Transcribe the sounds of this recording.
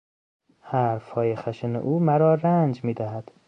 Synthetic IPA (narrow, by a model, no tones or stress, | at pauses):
hæɾfhɒːjexæʃenḛʔuːmæɾɒːɾænd͡ʒmiːd̪æɦæd̪̥